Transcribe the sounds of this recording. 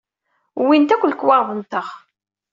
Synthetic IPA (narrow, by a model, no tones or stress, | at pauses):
wint̪ækʷːəlkwɑʁðənt̪əχ